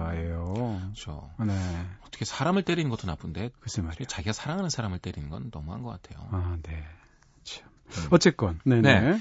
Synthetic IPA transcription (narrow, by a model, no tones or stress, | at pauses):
aejokɯt͡ɕʰo̰neʌt͈ʰʌkʰe̞sʰaɾamɯɭt͈e̞ɾinɯnɡʌtʰonapʰunde̞kɯsɯmaɾet͡ɕaɡiɡasʰaɾaŋɦanɯnsʰaɾamɯɭt͈eɾinɯnɡʌnːʌ̰muɦa̰nɡʌk͈atʰe̞jo̰ane̞ | ɯt͡ɕʰo̥ | ʌt͡ɕ͈ek͈ʌnne̞ne